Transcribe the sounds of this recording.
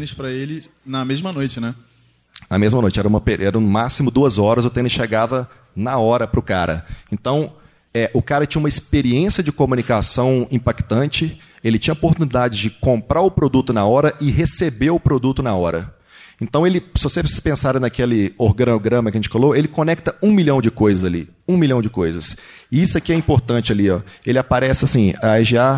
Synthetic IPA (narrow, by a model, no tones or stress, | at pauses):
nɪspɾɐelɪnɐmezmɐnojt͡ʃɪnɛ | nɐmezmɐnojt͡ʃɪɛɾɐũmɐpeɛɾɐũmasimʊd̪uɐzɔɾɐzʊt̪ẽnɪsʃeɡavɐ | nɐɔɾɐpɾʊka̰ɾɐ̰ẽnt̪ɐ̃w̃ | ɛʔʊkaɾɐt͡ʃĩɲɐũmɐispeɾiẽsiɐd͡ʒɪkomũnikasɐ̃w̃ĩpakt̪ɐ̃t͡ʃɪ | elɪt͡ʃĩɲɐopoɾt̪unid̪ad͡ʒɪd͡ʒɪkõmpɾʔaɾʊpɾod̪ut̪ʊnaɔɾɐʔɪɦesebewʊpɾod̪ut̪ʊnaɔɾɐ̰ | ẽnt̪ɐ̃w̃elɪsɪvosesɪ̥pẽsaɾɐnɐkelɪoɾɡɐ̃noɡɾɐ̃mɐkɐʒẽt͡ʃɪfaloelɪkõnɛk̚t̪ɐũmiʎɐ̃w̃d͡ʒɪkojzɐzalḭ | ũmiljɐ̃w̃d͡ʒɪkojzɐs | ɪisʊakiɛĩpoɾt̪ɐ̃nt͡ʃɪaliɔelɪapaɾɛsɪasĩaʒia